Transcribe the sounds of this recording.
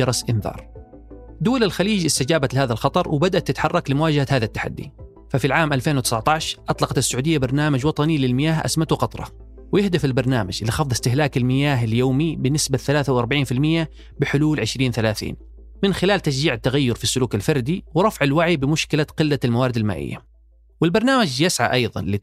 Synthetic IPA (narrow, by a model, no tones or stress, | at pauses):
ɑɾˤɑsʔɪnðɑ̰ːɾˤ | d̪uːlalxaliːd͡ʒʔɪst̪ad͡ʒaːbat̪lɪhaːðalxɑt̪ˤɑɾˤwɪbad̪aʔat̪ːɪt̪ħɑrˤːɑklɪmʊwaːd͡ʒahahaːðat̪ːḁħa̰d̪ːḭ | fafilʕaːmʔalfeːnwt̪ɪ̥saʕt̪ˤɑʕʃʔɑt̪ˤlɑqɑt̪ɪsːʊʕuːd̪ɪjːabɑɾˤnaːmad͡ʒwɑt̪ˤɑnilɪlmɪjaːɦʔa̰smat̪ʊqɑt̪ˤɾˤɑ̰ | wjɪhd̪ɪfɪlbɑɾˤnaːmad͡ʒʔɪlːixɑfðˤɪst̪ɪɦlaːkɪlmɪjaːɦɪljoːmibɪnɪsbaθalaːθawʔɑɾˤbaʕiːnfɪlmɪjːa | bɪħʊluːlʕɪʃɾiːnθalaːθḭːn | mɪnxɪlaːlt̪aʃ̬d͡ʒiːʕɪt̪ːaɣajːʊɾfisːʊluːkɪlfɑɾˤd̪iwɾˤɑfʕɪlwaʕibɪmʊʃkɪlaqɪlːalmawaːɾɪd̪ɪlma̰ːʔɪ̰jːa̰ | wɪlbɑɾˤnaːmad͡ʒjɪsʕa̰ʔɑjðˤɑ̰nlɪ